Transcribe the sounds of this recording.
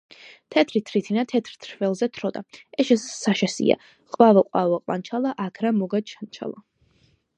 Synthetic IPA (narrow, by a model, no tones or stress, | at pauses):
t̪ʰɛt̪ʰɾit̪ʰɾit̪ʰinat̪ʰɛt̪ʰɾt̪ʰɾvɛlˠzɛt̪ʰɾɔd̪a̰ɛʃɛssaʃɛsḭa̰ | qʼwavɔqʼwavaqʼwa̰nt͡ʃʰalˠaʔakʰɾamɔɡad̪ʃʰant͡ʃʰa̰lˠa̰